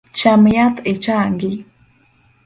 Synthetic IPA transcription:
t͡ʃamjat̪ʰet͡ʃaŋɡɪ

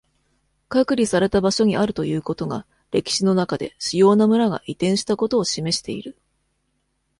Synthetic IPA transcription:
kakɯ̟ɾʲisaɾe̞t̪abaɕo̞ɲ̟iʔaɾɯ̟t̪o̞jɯ̟ːko̞t̪o̞ɡa̰ | ɾe̞kʲi̥ɕino̞nakad̪e̞̰ɕijo̞ːnamɯ̟ɾaɡa̰ʔit̪ẽ̞ɰ̃ɕi̥t̪ako̞t̪o̞ːɕime̞ɕi̥t̪e̞ḭɾɯ̟

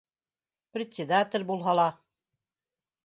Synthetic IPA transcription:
prʲɪt̪ʲsʲɪd̪at̪ʲɪ̆lʲbulˠɦɑlˠɑ

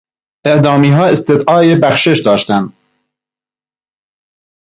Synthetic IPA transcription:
ʔe̞ʔd̪ɒːmiːɦɒːest̪ed̪ʔɒːebæxʃeʃd̪ɒːʃt̪æn

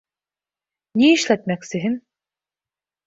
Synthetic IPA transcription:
niiʃlæt̪̚mæksɘ̆ɦɘn

